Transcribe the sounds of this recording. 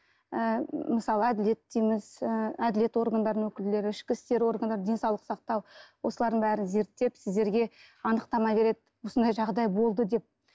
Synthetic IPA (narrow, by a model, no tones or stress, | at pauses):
əməsɑlˠəæd̪ɪle̞t̪ːijmɪzəæd̪ɪle̞t̪wo̞ɾɡand̪ɑɾəwɵkʲɪle̞ɾɪɪʃkʲɪst̪e̞ɾwo̞ɾɡand̪ɑɾd̪e̞nsɑwlˠəqsɑq̚t̪ɑwwo̞səlˠɑɾd̪əɴbæɾɪnze̞ɾt̪ːe̞psɪzd̪e̞ɾɡʲe̞ | ɑnəqt̪ɑmɑve̞ɾe̞d̪ɪwo̞sənd̪ɑjʒɑʁd̪ɑjbo̞lˠd̪əd̪e̞p̚